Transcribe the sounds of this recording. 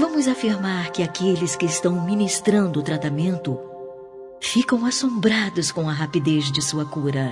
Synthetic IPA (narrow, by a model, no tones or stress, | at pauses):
vɐ̃mʊzafiɾmaɾkɪakelɪskɪɪst̪ɐ̃w̃mĩnist̪ɾɐ̃nd̪ʊːt̪ɾat̪amẽnt̪ʊ | fikɐ̃w̃asõmbɾad̪ʊskõw̃ɐɦapid̪ezd͡ʒɪsuɐkuɾɐ